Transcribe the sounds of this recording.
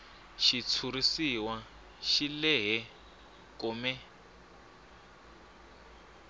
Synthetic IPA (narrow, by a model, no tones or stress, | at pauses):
ʃit͡sʰuɾisiwa | ʃilɛɦɛ | kumɛ